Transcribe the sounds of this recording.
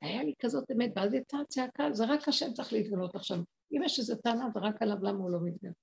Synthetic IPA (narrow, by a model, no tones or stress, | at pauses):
ajalikazo̞temet̚balt̪itat͡seakazeʁakhaʃemt͡saχliːt̪̚ɡano̞taχʃav | imeʃezetanaveʁakalavlamaulo̞mit̪ɡale